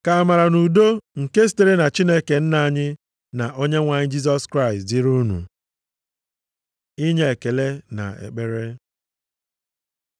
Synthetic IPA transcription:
ka˨a˨ma˨ɾa˨nu˨do˦ŋ̩˨ke˦s̬i̥˦te˨ɾe˦na˨t͡ʃi˦ne˦ke˨n̩˦na˨a˨ɲɪ˦ | na˨ʔo˦ɲe˦ŋʷa˨ɲɪ˦d͡ʒi˦s̬ɔ˦skɾa˦ɪ˨stdɪ˦ɾu˦nṵ˨ | i˦ɲe˦e˨ke˨le˦na̰˨ḛ˨k͡pe˦ɾe˦

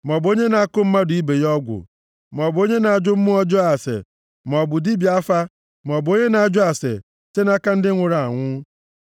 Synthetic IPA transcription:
m˨ɔ˨bo˦ɲe˦na˨a˦kʊ˦m̩˦ma˦dʊ˨i˦be˨jɔ˦ɡʷʊ̰˨ | m˨ɔ˨bo˦ɲe˦na˨a˨d͡ʒʊ˦m̩˦mʊ˦ɔ˦d͡ʒʊ˦a˨sḛ˨ | m˨ɔ˨bʊ˨di˦bi˨a˦fa˦ | m˨ɔ˨bʊ˨o˦ɲe˦na˨a˨d͡ʒʊ˦a˨sḛ˨ | te˦na˦ka˦n̩˦dɪ˦ŋʷʊ˨ɾa˨a˨ŋʷʊ˦

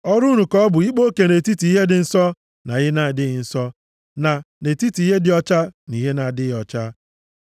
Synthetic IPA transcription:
ɔ˦ɾu˦nu˨kɔ˦ɔ˦bʊ˨i˦k͡po˦ke˨ne˨ti˦ti˨i˦ɦe˦dɪ˨n̩˦sɔ˦ | na˨ɣɪ˦na˨dɪ˦ɪ˨n̩˦sɔ˦ | na˨ | ne˨ti˦ti˨i˦ɦe˦dɪ˨ɔ˦t͡ʃa˦ni˨ɦe˦na˨dɪ˦˨ɔ˨t͡ʃa˦

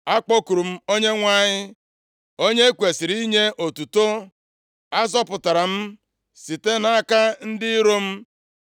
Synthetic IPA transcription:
a˦k͡po˦ku˨ɾu˨m̩˦o˦ɲe˦ŋʷa˦ɲɪ˦ | o˦ɲe˦kʷe˨sɪ˨ɾi˦ɲe˦ʔo˨tu˨to˦ | a˦zɔ˦pʊ˨ta˨ɾa˨m̩˦ | si˨te˦na˨a˦ka˦n̩˦dɪ˦ɾo˦m̩˦

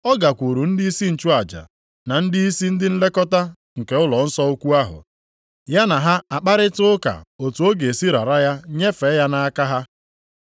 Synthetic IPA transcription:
ɔ˦ɡa˨kʷu˨ɾu˨n̩˦di˦i˦si˦n̩˨t͡ʃu˦a˨d͡ʒa̰˨ | na˨n̩˦dɪ˦i˦si˦n̩˦dɪ˦n̩˦le˦kɔ˦ta˦ | ŋ̩˨ke˨ʊ˦lɔ˨n̩˦sɔ˦o˦kʷu˦a˦ɦʊ̰˨ | ja˦na˨ɦa˦a˨k͡pa˦ɾɪ˦tʊ˦ʊ˦ka̰˨o˨tu˨o˦ɡe˨si˦ɾa̰˨ɾa˦ja˦ɲe˦fe˨˦ja˦na˦a˦ka˦ɦa˦

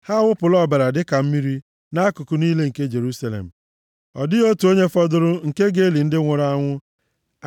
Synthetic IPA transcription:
ha˦wʷʊ˦pʊ˨lɔ˦˨ba˨ɾa˨dɪ˦ka˨m̩˦mi˦ɾi˦ | na˦kʊ˨kʊ˨niː˦le˦ŋ̩˨ke˦d͡ʒe˨ɾu˦sa˨lḛ˨m̩˨ | ɔ̰˨dɪ˦o˦tu˨o˦ɲe˦fɔ˦dʊ˦ɾʊ˦ŋ̩˨ke˦ɡe˦li˨n̩˦dɪ˦ŋʷʊ˨ɾa˦ŋʷʊ˦

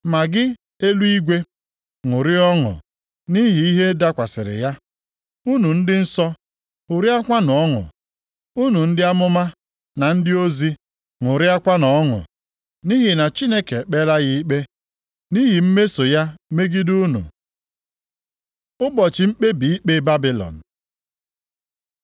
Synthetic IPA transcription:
ma˨ɡɪ˦ | e˦lu˦i˦ɡʷe˦ | ŋʊ˨ɾɪ˦ɔ˦ŋʊ̰˨ | ni˦ɦi˨i˦ɦe˦da˦kʷa˨sɪ̰˨ɾɪ̰˨ja˦ | u˦nu˨n̩˦dɪ˦n̩˦sɔ˦ | ʊ˨ɾi˦a˦kʷa˦n˨ɔ˦ŋʊ̰˨ | u˦nu˨n̩˦dɪ˦a˦mʊ˦ma˦ | na˨n̩˦dɪ˦o˦zi˦ | ŋʊ˨ɾɪ˦a˦kʷa˦nɔ˨˦ŋʊ̰˨ | ni˦ɦi˨na˨t͡ʃi˦ne˦ke˨k͡pe˦la˦ɣi˦i˦k͡pe˦ | ni˦ɦi˨m̩˦me˦so˨ja˦me˦ɡi˦du˦nṵ˨ | ʊ˦bɔ˨t͡ʃɪ˨m̩˦k͡pe˦bi˨i˦k͡pe˦ba˦bi˦lɔ̰˨n̩˨

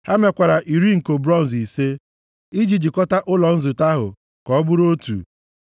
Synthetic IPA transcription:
ha˦me˨kʷa˨ɾa˨ʔi˨ɾi˦ŋ̩˨ko˨bɾɔ˦n̩˨zi˨se˦ | i˦d͡ʒi˨d͡ʒi˨kɔ˦ta˦ʔʊ˦lɔ˨n̩˦zʊ˨ta˦ɦʊ̰˨ | kɔ˨˦bʊ˦ɾo˦tṵ˨

